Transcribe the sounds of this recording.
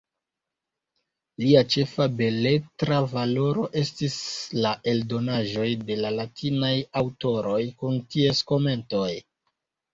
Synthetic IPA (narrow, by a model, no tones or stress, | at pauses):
liat͡ʃe̞fabe̞le̞tɾavalo̞ɾo̞ʔe̞stislaʔe̞ldo̞naʒo̞jde̞lalatʰinajawto̞ɾo̞jkuntie̞sko̞me̞nto̞j